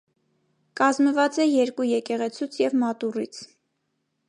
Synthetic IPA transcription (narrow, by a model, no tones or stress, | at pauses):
kɑzməvɑt͡sɛjɛɾkujɛkɛʁɛt͡sʰut͡sʰjɛvmɑt̪urit͡sʰ